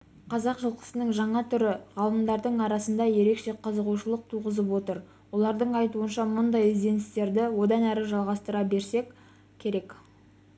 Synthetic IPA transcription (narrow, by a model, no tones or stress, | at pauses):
qʰɑzɑqʒəlˠqə̥sənəŋʒɑɴɑt̪ʰʏɾɪʁɑlˠəmd̪ɑɾd̪əɴɑɾɑsənd̪ɑje̞ɾe̞kʃe̞qʰəzəʁuʃəlˠəq̚t̪ʰuʁəzəp̬wo̞t̪əɾ | wo̞lˠɑɾd̪əɴɑjt̪uənʃɑmʊnd̪ɑjɪzd̪e̞nɪst̪e̞ɾd̪ɪwo̞d̪ɑnæɾɪʒɑlˠʁɑst̪əɾɑbe̞ɾse̞kʲ | kʲʰe̞ɾe̞k